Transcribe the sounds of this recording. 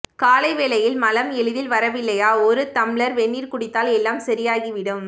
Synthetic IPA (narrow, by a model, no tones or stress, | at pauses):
kaːlɐɪʋeːlɐjɪlmɐlɐmɛɭɯðɪlʋɐɾɐʋɪlːɐjaːɔɾɯt̪ɐmɭɐɾʋɛɳːiːɾkʊɽɪt̪ːaːlɛlːaːmsɐɾɪjaːɣiʋɪɽɯm